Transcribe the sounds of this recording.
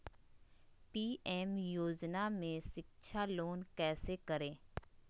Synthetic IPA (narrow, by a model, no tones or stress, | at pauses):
piːɛːmjoːd͡ʒnamẽʃɪkʃʰaloːnkɛːsekɐɾẽː